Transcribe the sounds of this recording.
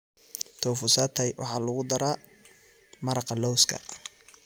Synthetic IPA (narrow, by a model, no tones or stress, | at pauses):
t̪ʰɔːfʊsat̪ʰɐjwʔɑ̰ħɑːlʊɣʊd̪ɐɾaː | mɐɾɑqɑlɔwskʰɐ̰